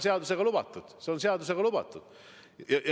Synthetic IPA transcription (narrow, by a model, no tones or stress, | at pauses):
se̞ɑd̪use̞ɡ̥ɑlub̥ɑt̪ːˑud̪̥seo̞nse̞ɑd̪us̬e̞ɡ̥ɑlub̥ɑ̰t̪ːˑud̪̥ | jɑj